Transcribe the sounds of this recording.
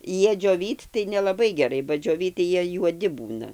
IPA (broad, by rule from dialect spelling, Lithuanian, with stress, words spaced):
ˈjiɛ d͡ʒʲoːˈʋʲiːt tɐɪ nʲɛlˠɐˈbɐɪ ɡʲɛˈrɐɪ bɐ d͡ʒʲoːˈʋʲiːt tɐɪ ˈjiɛ juɔˈdʲɪ ˈbuːnɐ